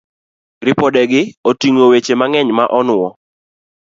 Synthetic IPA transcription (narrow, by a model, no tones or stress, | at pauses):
ɾɪpɔdɛɡɪotiŋowet͡ʃemaŋɛɲmaʔɔnʊɔ